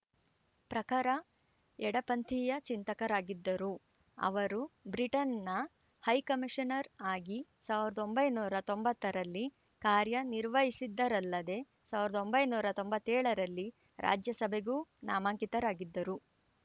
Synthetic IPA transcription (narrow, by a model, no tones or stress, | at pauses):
pɾɐkaːɾɐ | ɛɽɐpɐnt̪ʰijɐt͡ʃint̪ɐkɐɾaːɡid̪ːɐɾu | ɐ̰ʋɐɾubɾiʈɐnːɐ | hɐjkɐmiʂɐnɐɾaːɡisaːʋiɾɐd̪o̞mbɐjnuːɾɐt̪o̞mbɐt̪ːɐɾɐlːi | kaːɾjɐniɾʋɐɦisid̪ːɐɾɐlːɐd̪e̞ | saːʋiɾɐd̪o̞mbɐjnuːɾɐt̪o̞mbɐt̪ːɛːɭɐɾɐlːi | ɾa̰ːd͡ʒjɐsɐbʱe̞ɡuːna̰ːmaːŋkit̪ɐɾaːɡid̪ːɐɾu